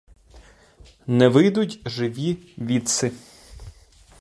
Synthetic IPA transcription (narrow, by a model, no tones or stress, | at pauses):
nɛʋɪjd̪ʊtʲʒɪʋʲiʋʲit̪sɪ